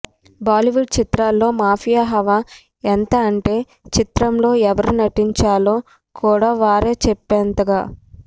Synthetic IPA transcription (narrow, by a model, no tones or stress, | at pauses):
baːliʋuɖ̚t͡ʃit̪ɾaːlːo̞ːmaːpʰijaːɦɐʋaː | ɛnt̪ɐːɳʈe̞ː | t͡ʃit̪ɾɐmlo̞ːɛʋɐɾunɐʈiɲt͡ʃaːloː | kʰuːɽaːʋaːɾe̞ːt͡ʃɛpːɛːnt̪ɐɡaː